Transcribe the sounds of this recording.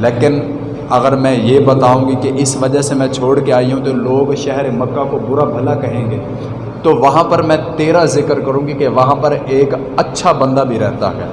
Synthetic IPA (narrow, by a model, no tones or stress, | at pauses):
leːkɪn | ɐɣəɾmɛ̃ːjeːbɐt̪aːũːɡikeʔɪsʋɐd͡ʒasemɛ̃t͡ʃʰoːɽkeaːiɦũt̪oloːɡʃɛɦɾemɐkːakobʊɾabʱɐlakɐɦẽːŋɡeː | t̪oʋɐɦãpɐɾmɛ̃ːt̪eːɾazɪkəɾkɐɾũːɡikeʋɐɦãpɐɾeːk | ɐtːʃʰabɐ̃nd̪abʱiɾɛɦt̪a̰ɦɛ̰ː